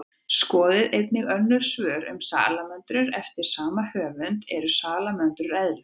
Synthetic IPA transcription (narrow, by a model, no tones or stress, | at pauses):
skɔːðɪðejt̪nɪɣœnːʏɾ̥svœːɾʏ̰msa̰ːlamœnt̪ɾʏɾɛft̪ɪɾ̥saːmahœːvʏnt̪ɛɾʏsaːlamœnt̪ɾʏɾɛðɾʏ